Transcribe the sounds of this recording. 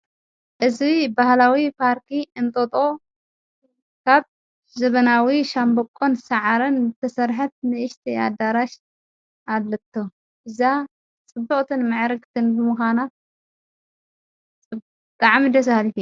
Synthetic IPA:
ʔɨzibahlawipʰaɾt̪ʰiɨnt̪ʼot̪ʼo̞ | kʰaβ | zɐβɐnawiʃambɐkʼːonsɐʕaɾɐnɨt̪ʰɐsɐɾħɐt̪̚nɨɨʃt̪ʰia̰d̪aɾaʃ | ʔad̪lɨt̪ʰːo | ʔɨza | t͡sʼɨbːɐkʼt̪ʰɨnmɨʕɾɨɡʼt̪ʰɨnbɨmɨxana | t͡sʼɨb | t̪ʼaʕmid̪ɐs̬halif

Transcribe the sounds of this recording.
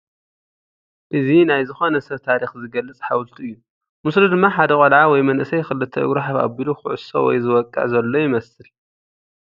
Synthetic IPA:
ʔɨzinajzɨxo̞nɐsɐt̪ʰaɾixzɨɡɐlːɨt͡sʼħawlt̪ʰuɨjːu | mɨslud̪ɨmːaħad̪ɐkʼɐlʕawɔjmɐnʔɨsɐjxɨlɨt̪ʰːɐɨ̰ɡɾaħafa̰biluxɨʕʊ̰so̰wɔ̰jzɨwɔkʼːɨ̰ʕzɐlːo̞jɪmɐsɨl

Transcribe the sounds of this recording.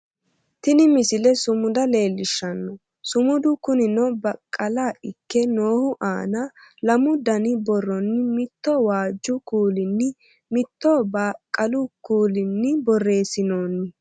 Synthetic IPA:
t̪ɪnɪmɪsɪlɛsʊmʊd̪ɐle̞ːlːɪʃːɐnːɔ | sʊmʊd̪ʊkʊnɪnɔbɐkʼːɐlaɪkːɛno̞ːhʊʔa̰ːnɐlɐmʊd̪ɐnɪbɔrːɔnːɪmɪt̪ːɔwaːd͡ʒːʊkuːlɪnːɪ | mɪt̪ːɔbaːkʼːɐlʊkuːlɪnːɪbɔrːe̞ːsɪnoːnːɪ

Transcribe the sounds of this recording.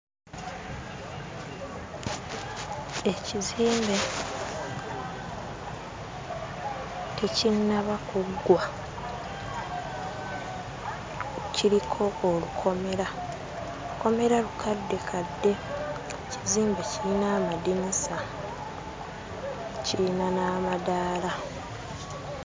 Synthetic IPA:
e̞ciziːmbe̞ | tecinːaβakuɡwa | ciɾikʰo̞ːlukʰo̞me̞ɾa | luko̞me̞ɾalukʰadːe̞kʰadːe̞ | ciziːmbe̞ciinaːmadinisa | ciinanaːmadaːla

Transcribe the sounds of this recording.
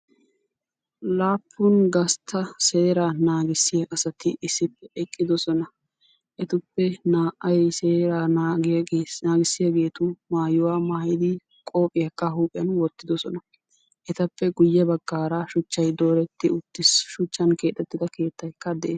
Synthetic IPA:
laːpʰːʊnɡɐst̪ʰːɐse̞ːɾaːnaːɡɪsːɪjɐʔɐsɐt̪ɪʔɪsːɪpːɛʔɛkʼːɪd̪ɔsɔnɐ | ʔɛt̪ʊpːɛnaːʔɐjseːɾaːnaːɡɪeːnaːɡɪsːɪjɐɡe̞ːt̪ʊmaːjʊwaːmaːjɪd̪ɪ | kʼo̞ːpʼːɪjɐkːɐɦuːpʼɪɐnwɔt̪ːɪd̪ɔsɔnɐ | ʔɛt̪ɐpːɛɡʊjːɛbɐɡːaːɾaʃʊt͡ʃːɐjd̪o̞ːɾɛt̪ːɪʊt̪ːɪsʃʊt͡ʃːɐnke̞ːt̪ʼːɛt̪ːɪd̪ɐke̞ːt̪ːɐjkːɐd̪ɛʔeːs

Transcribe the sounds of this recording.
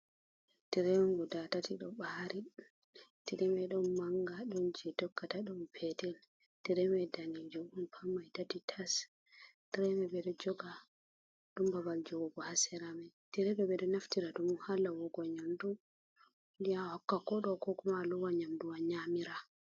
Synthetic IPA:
tiɾɛŋɡɔdatatʰiɗɔɓaɾi | tiɾɛmɛɗɔmmaŋɡaɗɔnd͡ʒɛdɔkːataɗɔmpʰɛtɛl | tiɾɛmɛdanid͡ʒɔunpʰamːajtatitʰas | tiɾɛmɛbɛɗɔd͡ʒɔɡa | ɗumbabald͡ʒɔwɔɡɔhasɛɾamɛtiɾɛbɛbɛɗɔnaftiɾadumuhalːawɔɡɔɲamdu | ndijahakːakɔɗɔkɔkɔmaluwaɲamduwaɲamiɾa

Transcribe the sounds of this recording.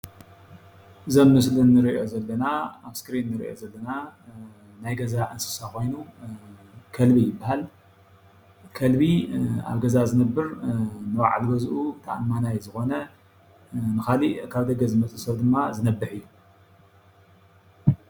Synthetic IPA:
ʔɨzomːɨslɨnːɨɾio̞zɐlːɐnaaβskɨɾinːɨɾḭʔo̞̰zɐlːɐna | najɡɐzaʔɨnsɨ̥sako̞jnu | kʰɐlbijɪbːahal | kʰɐlbia̰βɡɐzazɨnɐbːɨɾnɨwa̰ʕa̰lbɐzʔut̪ʰaʔanmanajzɨxo̞nɐ | nɨxalikʰaβd̪ɐɡɐzɨmɐt͡sʼɨsɐβd̪ɨmːazɨnɐbːɨħɨjːu

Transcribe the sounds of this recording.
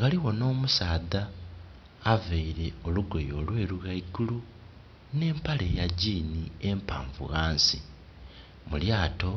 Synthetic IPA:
ɣaliɣo̞no̞ːmusaːðaː | veiɾe̞o̞luɡo̞jo̞ːlwe̞ːɾuɣaiɡulu | ne̞ːmpale̞jaɟiːnie̞mpa̰ːɱvṵɣaːnsi | muljaːto̞

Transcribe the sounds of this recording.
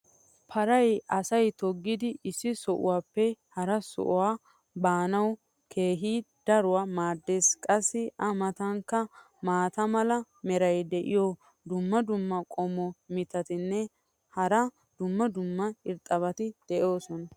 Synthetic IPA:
pʰɐɾɐjɐsɐjt̪ɔɡːɪd̪ɪʔɪsːɪsɔʔʊ̰waːpːɛhɐɾɐsɔ̰ʔɔwaː | baːnɐw | kʰe̞ːɦiːd̪̥ɐɾʊwaːmaːd̪ːeːskʼɐsːɪʔɐmɐt̪ɐŋkːɐ | maːt̪ɐmɐlɐ | mɛɾɐjd̪ɛʔɪ̰jɔ | d̪ʊmːɐd̪ʊmːɐkʼɔmɔmɪt̪ːɐt̪ɪnːɛ | hɐɾɐ | d̪̥ʊmːɐd̪ʊmːɐɪɾt̪ʼːɐβɐt̪ɪd̪̥ɛʔo̞ːsɔnɐ

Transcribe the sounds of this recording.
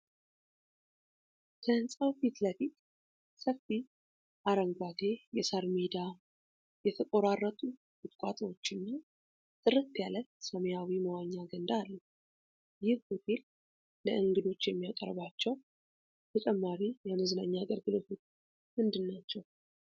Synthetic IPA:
kʰəɨnsʼawfit̪ləfit̪ | səfi | ʔaɾəŋɡʷad̪e̞jɛsaɾmid̪a | jɛt̪ʰəkʼoɾarːət̪ʼu | ɡɨt̪ʼkʼa̰t̪ʼəwo̞t͡ʃːɪnːa | t̪ʼɨɾɨt̪ːjalət̪səmejawiməwaɲːaɡənd̪aːlːə | jɪhhot̪ʰel | ləʔɨŋɡɨd̪o̞t͡ʃːjɛmːijakʼə̰ɾβat͡ʃːɛw | t̪ʰət͡ʃʼɛmːaɾijɛməzɨnaɲːaːɡəɾɡɨlo̞t̪ʰot͡ʃː | mɨnd̪ɨnːat͡ʃːɛw

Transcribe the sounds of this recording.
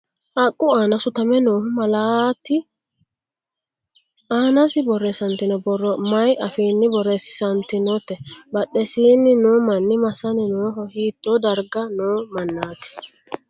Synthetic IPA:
ʔɐkʼːʊaːnɐsʊt̪ɐmɛnoːhʊmɐlaːt̪ːɪ | ʔaːnɐsɪbɔrːɛsɐnt̪ːɪnɔbɔrːɔmɐjʔɐfiːnːɪbɔɾɛssɐnt̪ːɪnɔt̪ːɛbɐɗːɛsiːnːɪnoːmɐnːɪmɐsɐnɪnoːɦɔhiːt̪ʼːod̪ɐɾɡɐnoːmɐnːaːt̪ɪ̥

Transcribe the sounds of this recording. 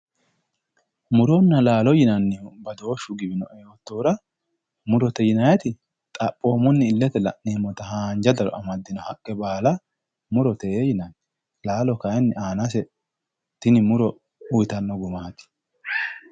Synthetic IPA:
mʊɾonːɐlaːlɔjɪnɐnːɪbɐd̪o̞ːʃːʊɡɪbɪnɔ̰ʔɛjɔt̪ːoːɾɐ | mʊɾɔt̪ɛjɪnɐjɐt̪ɪ | t̪ʼɐpʼːo̞ːmɔnːɪɪlːɛt̪ɛlɐ̰ʔneːmɔt̪ɐhaːnd͡ʒɐd̪ɐɾɔ̰ʔɐmɐd̪ːɪnɔhɐkʼːɛbaːlɐ | mʊɾɔt̪ɛejɪnɐnːɪ | laːlɔkɐjɛnːɪʔaːnɐs̬ɛ | t̪ɪnɪmʊɾɔ | ʊjt̪ɐnːɔɡʊmaːt̪ɪ̥

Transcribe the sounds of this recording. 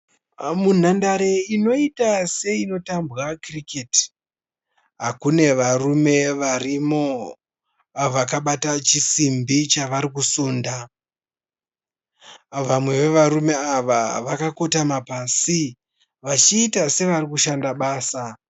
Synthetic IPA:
mun̤andaɾeino̞itase̞ino̞tambɣakriketi̥ | ɦakune̞ʋarume̞ʋarimo̞ | ʋakaɓatat͡ʃisimbit͡ʃaʋaɾikusuːnda | ʋamwe̞ʋe̞ʋaɾume̞aʋa̰ʋakako̞tamapasi | ʋat͡ʃiːtase̞ʋaɾikuʃandaɓaːsa

